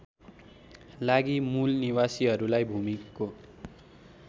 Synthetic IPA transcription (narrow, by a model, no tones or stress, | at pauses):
laɡimulniwasiɦʌɾulajbʱumikːo